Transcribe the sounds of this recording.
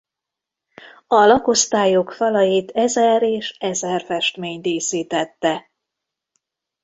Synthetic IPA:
ɒlɒko̞st̪aːjokfɒlɒjit̪ɛzɛɾeːʃɛzɛrfɛʃt̪meːɲt̪iːsiːt̪ɛt̪ːɛ

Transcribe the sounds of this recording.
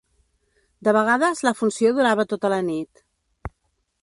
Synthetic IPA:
d̪əβəɣ̞aðəzləfunsioðuɾaβət̪ot̪ələnit̪

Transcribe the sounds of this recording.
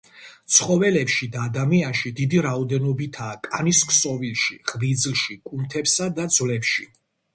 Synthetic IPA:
t̪sʰχɔvɛlɛpʃid̪aːd̪amianʃid̪id̪iɾaɔd̪ɛnɔbit̪ʰaːkʼaniskʼʰsɔvilˠʃiʁlid̪zlʃikʼunt̪ʰɛpsad̪ad̪zvlɛpʃi

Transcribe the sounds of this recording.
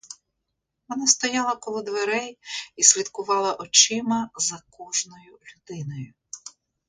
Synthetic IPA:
ʋɔnast̪ɔjɑlˠɐkɔlˠɔd̪ʋeɾɛjisʲlʲid̪kʊʋɑlˠɐʔɔt͡ʃɪmɐzɐkɔʒnɔjʊlʲʊd̪ɪnɔjʊ

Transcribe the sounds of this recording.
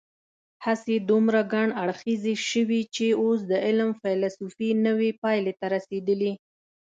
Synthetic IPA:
hased̪umɾaɡaɳaɽxizeʃəwit͡ʃeos̬d̪əɪlmfajlsufinəwepɑjlet̪aɾased̪əli

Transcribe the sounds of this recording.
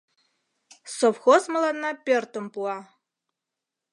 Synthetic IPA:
sovxozmɨlanːapʼertʼɨmpʼua

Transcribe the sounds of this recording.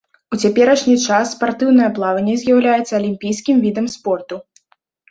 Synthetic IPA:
ut͡sʲapʲɛɾɐʂnʲit͡ʂasːpart̪ɨwnɐjɐplˠavɐnʲːɛzʲjawlʲajɛt̪sɐːlʲimʲpʲijskʲimvʲid̪ɐmspɔrt̪u

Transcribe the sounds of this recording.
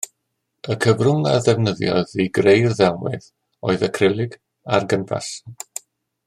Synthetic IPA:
əkʰəvrʊŋa̰ðɛvnəðjɔ̰ðiɡrejrðɛwmɪ̰ð | oɨðəkʰrɪlˠɪɡ | arɡəntʰa̰s

